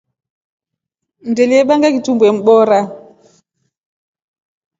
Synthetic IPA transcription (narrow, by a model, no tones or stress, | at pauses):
ndɛliɛɓaŋɡakitumbɛm̩ɓɔɾa